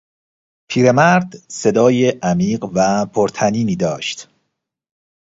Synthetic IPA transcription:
pʰiːɾe̞mæɾd̪se̞d̪ɒːjeʔæmiːɢvæpʰoɾt̪ʰæniːniːd̪ɒːʃt̪

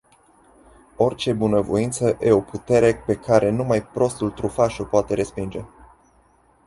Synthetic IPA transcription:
o̞rt͡ʃe̞bunəvo̞̰int̪səʔeo̞put̪e̞ɾe̞pe̞kʰaɾʔe̞numajpɾo̞st̪ult̪ɾufaʃopoat̪e̞ɾe̞spind͡ʒe̞̰

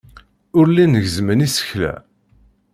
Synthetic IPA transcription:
ʊɾlinəʝzmənisə̥çlæ̰

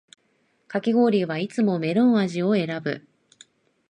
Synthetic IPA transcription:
kakʲiɡo̞ːɾʲiβait͡sɨmo̞me̞ɾɯ̃ɰ̃aʑio̞e̞ɾabɯ̟̰

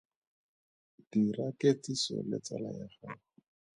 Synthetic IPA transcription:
d̥iraketisɔ̰lɪ̰t͡salajaχa

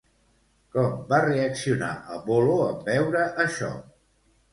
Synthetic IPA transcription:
kɔmbareəksiuna̰ʔəlˠβoloəmbɛwɾəʔəʃɔ̰

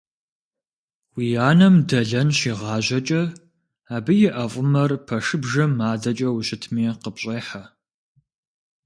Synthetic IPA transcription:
wijaːnɐmdɐɮɐnɕiːʁɑːʑɐt͡ʃʼɐ | aːbɨjɪʔɐfʼʊmɐrpʰɐʂɨbʒɐmaːdɐt͡ʃʼɐwɕɪtʰmiːqəpɕʼeːħa

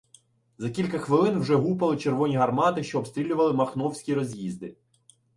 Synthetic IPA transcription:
zɐkʲilʲkɐxʋɪlˠɪnwʒɛɦupɐlˠɪt͡ʃerʋɔnʲiɦɐrmɑt̪ɪʃt͡ʃɔːbst̪ɾʲilʲʊʋɐlˠɪmɐxnɔwsʲkʲiɾɔzʲjizd̪ɪ

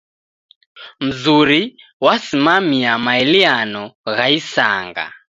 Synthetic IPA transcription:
m̩zuɾi | wasimamiamaɛlianɔɣaisa̰ːŋɡa̰

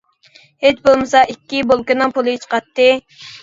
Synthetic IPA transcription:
het͡ʃbolˠmɨsɑʔikʲːibolˠkɨnɨŋpʰolˠɨit͡ʃqɑt̪ːɨ

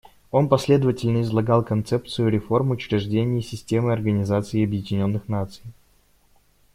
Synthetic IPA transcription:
o̞npɐsʲlʲe̞d̪əvətʲɪlʲnəɪzlˠɐɡalˠkɐnt̪sɛpt̪sɨjʊɾʲɪfo̞rmʊʊt͡ɕɾʲɪʐdʲenʲɪjəsʲɪsʲtʲemɨɐrɡənʲɪzat̪sɨːɐbjɪdʲɪnʲo̞nːɨxnat̪sɨ̥j

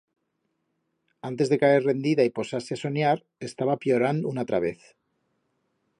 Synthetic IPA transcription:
ant̪ezðe̞kaerre̞nd̪iðaipo̞saɾseaso̞ɲaɾ | e̞st̪aβapjo̞ɾand̪unat̪ɾaβ̞e̞θ

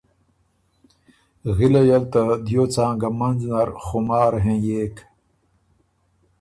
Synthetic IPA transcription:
ɣilejɐlt̪ɐd̪joːt͡sãːɡɐmɐnznɐɾxumaːɾɦẽːjeːk

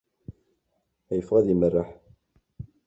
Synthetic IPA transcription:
æjəfʁæðimərːaħ

